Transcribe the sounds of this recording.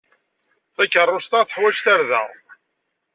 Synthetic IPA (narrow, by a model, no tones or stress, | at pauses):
θæçərˤːost̪aθəħwæʒt̪æɾðæ̰